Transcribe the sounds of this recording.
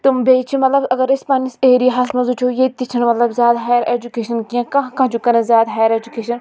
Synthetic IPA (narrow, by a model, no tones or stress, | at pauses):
t̪umbeːt͡ʃʰimɐt̪lɐbɐɡɐɾɪspɐːniseːɾiaɦɐsmɐzut͡ʃʰoːjet̪it͡ʃʰɐnmɐt̪lɐbzʲjaːd̪ɦaːjɐɾeːd͡ʒukeːʃɐnkijãːkɐ̃ɦkɐ̃ːt͡ʃukɐɾẽzjaːd̪ɦaːjəɾeːd͡ʒukeːʃɐn